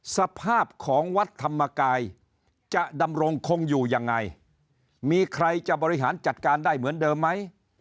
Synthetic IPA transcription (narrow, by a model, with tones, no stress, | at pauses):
sa˧pʰaː˥˩p̚kʰɔː˩˦ŋwa˦˥t̪ʰːa˧mːa˧kaː˧j | t͡ɕa˨˩ʔda˧mɾo˧ŋkʰo˧ŋjuː˨˩ja˧ŋːa˧j | miː˧kʰɾa˧jt͡ɕa˨˩bɔː˧ɾi˦˥ɦaː˩˦nt͡ɕa˨˩t̪̚kaː˧ndaː˥˩jmɯ˩˦əndɤː˧mːa˦˥j